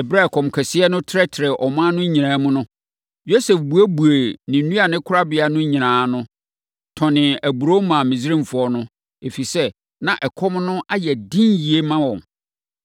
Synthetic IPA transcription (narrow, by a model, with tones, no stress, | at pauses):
ɛ˨bɾa˦˨kʰɔ̃˨mkʰɛ˨sɪ˦ɛ˦nʊ̃˦tʰɾɛ˦tʰɪ˨ɾɛ˨ʔɔ˨m̃ː˦nʊ̃˦ɲĩ˨ãː˨˦mʊ̃˦nʊ̃˦ | jo˦se˨fbu˨æ˦bu˨e˨nɪ̃˨nũ˦a˨nɪ̃˦kʰʊ˦ɾa˦bɪ˨a˦nʊ̃˦ɲĩ˨nãː˨˦nʊ̃˦ | tʰɔ̃˨nɪ̃˨æ˨bu˨ɾo˦mã˨mĩ˨zɾĩ˦m˨fʊ˨ɔ˦nʊ̃˦ | e˨fi˨sɛ˦ | nã˨ʔɛ˨kʰɔ˦mnʊ̃˦ʔa˦jɛ˨dĩ˦nji˨e˦mã˦wɔ̃˨ŋ